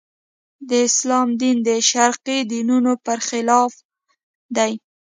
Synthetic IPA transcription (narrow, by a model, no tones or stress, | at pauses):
d̪əɪslɑmd̪ind̪əʃaɾqid̪inunopəɾxɪlɑf | d̪aj